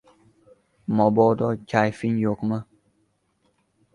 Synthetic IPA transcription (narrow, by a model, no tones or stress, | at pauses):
mɔbɔd̪ɔcajfiɲjokmə